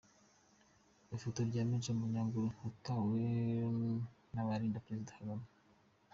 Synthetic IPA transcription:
ifotoɾɟaːmiʒemuɲaːŋɡoutawe | naβaɾiːndapɾezidahaɡama

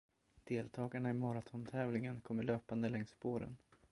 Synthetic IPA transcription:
d̪̥eːlt̪ʰɑːɡaɳaɪmɑːɾat̪ʰɔnt̪ʰɛːvlɪŋənkʰɔmːəɭøːpand̪əlɛŋsboːɾə̰n

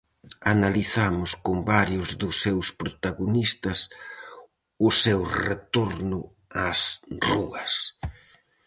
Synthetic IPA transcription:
analiθamʊskʊmbaɾjʊzðʊsːewspɾot̪aɣonist̪ɐs | ʊsewret̪oɾnʊ | asruɐs

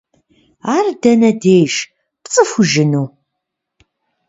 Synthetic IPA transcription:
aɾd̪ɐnæd̪ejʃ | pt͡sʼəfuʒɨnu

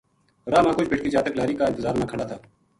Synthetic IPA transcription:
ɾaːmãːkʊt͡ʃbʱeːʈ̚kiːd͡ʒaːt̪əklaːɾiːkaːɪnt̪əzaːɾnaːkʰəɽaːt̪ʰaː

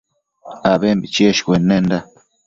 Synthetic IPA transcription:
abembit͡ʃieʃkʷenːend̪a

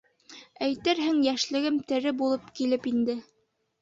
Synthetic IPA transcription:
æjt̪ɘɾɦɘŋjæʃlɘ̆ɡɘmt̪ɘ̆ɾɘbulˠɤpkilɘpind̪ɘ

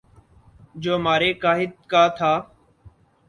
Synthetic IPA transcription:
d͡ʒoːmaːɾeːkaːɦɪt̪̚kaːt̪ʰaː

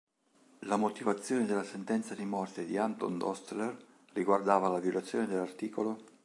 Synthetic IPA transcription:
lamot̪ivat̪sːjoːned̪elːasent̪ɛnt̪sad̪imɔrt̪ed̪iant̪o̰nd̪ɔ̰st̪ler | riɡward̪aːvalavjolat̪sːjoːned̪elːart̪iːkolo

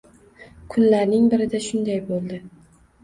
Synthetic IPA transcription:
kʰʊnlaɾnɪŋbɪɾɪd̪aʃʊnd̪ajbolˠd̪ɪ

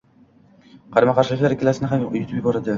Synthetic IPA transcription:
qʰɑɾmaqʰɑɾʃɪkʲlaɾkʲelasɪnɪɦamjut̪ʰubbɒɾad̪ɪ

